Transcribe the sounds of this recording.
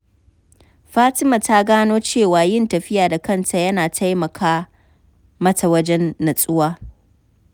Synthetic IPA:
ɸaː˦tɪ˦ma˨ta˦ɡaː˦noː˦t͡ʃeː˦˨waː˨jɪ˦˨ntɐ˨ɸɪ˦jaː˨da˨kɐ˦˨ntʰa˨jɐ˦naː˨tʰa˦jmɐ˨kʰaː˦ | mɐ˦ta˨wɐ˦d͡ʒɛ˦nːɐ˨sʼʊ˦waː˦

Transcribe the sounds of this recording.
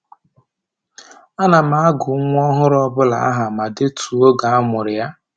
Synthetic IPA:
a˦na˨ma˨a˦ɡʊ˨˦ŋʷ˦ɔ˦ɦʊ˦ɾɔ˦bʊ˦la˨a̰˦ɦa˨ma˨dɪ˦tʰu˨o˦ɡa˨a˦mʊ˨ɾɪ˨ja˦

